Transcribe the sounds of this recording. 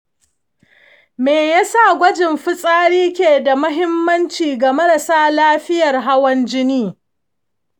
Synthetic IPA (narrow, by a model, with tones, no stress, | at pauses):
meː˨ja˦sa˦˨ɡʷɐ˦d͡ʒɪ˨mɸɪ˦sʼaː˦ɽiː˦kʲeː˨da˨mʊ˦ɦɪ˦mːɐ˦nt͡ʃiː˨ɡa˨mɐ˦ɾa˨saː˦laː˦ɸɪ˦jɐ˨rɦa˦wɐ˦nd͡ʒɪ˦niː˦